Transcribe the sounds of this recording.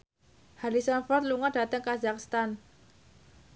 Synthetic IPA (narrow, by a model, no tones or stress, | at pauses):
halisɔnfɔrt̪̚luŋada̤t̪əŋkazakst̪an